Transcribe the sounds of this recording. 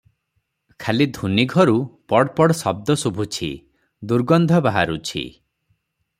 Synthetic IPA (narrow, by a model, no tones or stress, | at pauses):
kʰalid̪ʱuniɡʱɔɾupɔɽpɔɽsɔb̚d̪ɔsubʱut͡ʃʰḭ | d̪uɾɡɔnd̪ʱɔbaɦa̰ɾut͡ʃʰḭ